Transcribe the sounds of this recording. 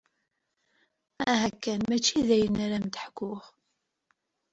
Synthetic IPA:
æɦækːænmæt͡ʃːiðæjənaɾæmt̪əħkːʊʁ

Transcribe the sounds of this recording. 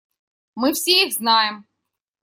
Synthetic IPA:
mɨfsʲeiɣznɑjɪm

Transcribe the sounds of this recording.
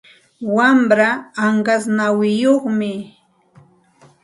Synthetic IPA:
wamɾaːɴɢasnawɪjoχmɪ

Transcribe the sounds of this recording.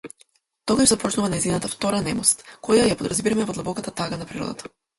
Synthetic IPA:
t̪ɔɡaʒzapɔt͡ʃnuvanaizinat̪aft̪ɔɾanɛmɔst̪kɔjajapod̪ɾazbiɾamɛvɔd̪lˠabɔkat̪at̪aɡanapɾiɾɔ̰d̪a̰t̪ʰḁ

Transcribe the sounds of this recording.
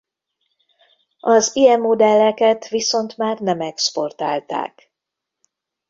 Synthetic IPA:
ɒzijɛmːod̪ɛlːɛkɛt̪ʋiso̞nt̪maːrnɛmɛkspo̞rt̪a̰ːlt̪a̰ːk

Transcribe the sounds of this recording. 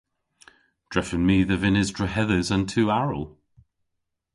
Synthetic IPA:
d̥ɹ̥ɛfə̃nmiːðəvɪnɪzdɹəɦɛðəzə̃ntʰʉːaɹə̰lˠ

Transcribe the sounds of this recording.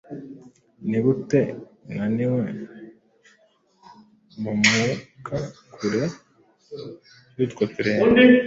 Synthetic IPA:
niβuteŋaniwe | momukakʰuɾe | dut̪kot̪iɾe

